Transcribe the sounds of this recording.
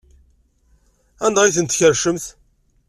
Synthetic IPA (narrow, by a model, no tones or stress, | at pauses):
ænd̪ʁiθənt̪ːçəɾʃəmθ